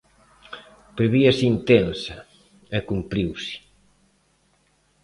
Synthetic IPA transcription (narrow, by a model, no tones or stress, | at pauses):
pɾeβiɐsint̪ɛnsa | ekumpɾiwsi̥